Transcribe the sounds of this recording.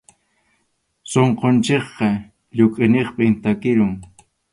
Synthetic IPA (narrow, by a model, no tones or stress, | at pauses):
soɴqont͡ʃeχqɑ | ʎʊkʼɪneχpɪmt̪akɪɾʊŋ